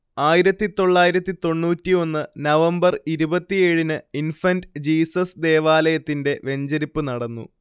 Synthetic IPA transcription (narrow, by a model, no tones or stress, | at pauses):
aːjiɾɐt̪ːit̪o̞ɭːaːjiɾɐt̪ːit̪o̞ɳːuːtːio̞nːɨnɐʋɐmbɐriɾubɐt̪ːijeːɻinɨinfɐndd͡ʑiːsɐsd̪e̞ːʋaːlɐjɐt̪ːinde̞ʋe̞ɲd͡ʑɐɾipːɨnɐɽɐnːṵ